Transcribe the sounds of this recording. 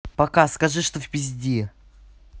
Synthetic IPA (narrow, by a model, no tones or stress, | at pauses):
pɐkaskɐʐɨʂt̪ovʲpʲɪzʲdʲi